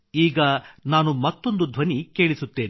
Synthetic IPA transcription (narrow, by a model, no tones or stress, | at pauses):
iːɡɐnaːnumɐt̪ːo̞nd̪ud̪ʱʋɐnike̞ːɭisut̪ːe̞ːn